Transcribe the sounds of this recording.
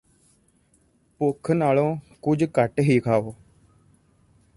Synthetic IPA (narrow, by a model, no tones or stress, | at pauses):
pʊkʰnaːlõːkʊd͡ʒkəʈɦiːkʰaːoː